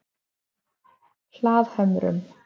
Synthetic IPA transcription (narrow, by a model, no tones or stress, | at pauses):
l̥aːðhœmɾʏ̰m